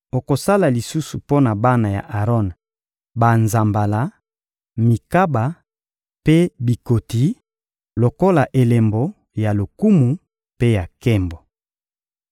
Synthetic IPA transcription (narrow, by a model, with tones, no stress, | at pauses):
o˨ko˨sa˦la˨li˨su˦su˨po˦na˨ba˦na˨ja̰˨ʔa˨ʁɔ˦n | ba˨nza˨mba˨la˨ | mi˨ka˦ba˨ | pe˦bi˨ko˨ti˨˦ | lo˨ko˦la˨ʔe˨le˨mbo˦ | ja˨lo˨ku˦mu˨ | pe˦ja˨kɛ˦mbo˨